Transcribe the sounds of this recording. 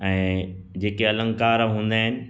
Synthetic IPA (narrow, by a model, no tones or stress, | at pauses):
ɛ̃ː | d͡ʑeːkeɐlə̃ŋkaːɾɦũːn̆d̪aːɦɪnɪ̆